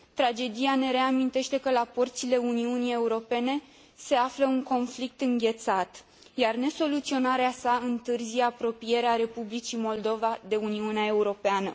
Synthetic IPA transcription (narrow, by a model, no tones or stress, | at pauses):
t̪ɾad͡ʒe̞d̪ijane̞ɾe̞amint̪e̞ʃt̪e̞kəlaport̪sile̞uniunije̞uɾo̞pe̞ne̞ | se̞afləuŋko̞nflik̚t̪ɨŋɡʲe̞t̪sat̪ | jarne̞so̞lut̪sio̞naɾeasaɨnt̪ɨrzijeapɾo̞pije̞ɾeaɾe̞publit͡ʃimo̞ld̪o̞vad̪e̞uniuneae̞uɾo̞peanə